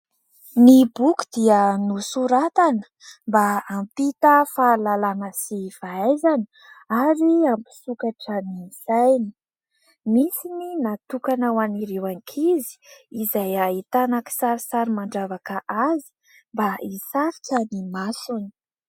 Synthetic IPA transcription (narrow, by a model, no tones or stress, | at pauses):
nibuku̥d̪̥iənusuɾat̪anə̥ | mbaːmpit̪əfaːlalanəsiv̥aajzani̥ | aɾiampi̥sukaʈ͡ʂənisajni̥ | misininat̪ukanawaniɾewaŋkʰizi̥izajaɦit̪anaki̥saɾisaɾimaɳɖ͡ʐavakəʔazi̥ | mbaisaɾikənimasuni̥